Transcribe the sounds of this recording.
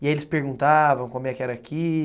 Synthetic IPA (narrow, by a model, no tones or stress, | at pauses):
iaelɪspeɾɡũnt̪avɐ̃w̃kõmʊɛkɪɛɾɐːkʰi